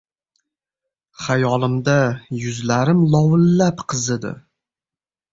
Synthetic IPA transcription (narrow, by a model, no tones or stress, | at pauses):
χajɒlˠɪmd̪ajʊzlaɾɪmlˠɒwɪlːapqʰɨzɪd̪ɪ̰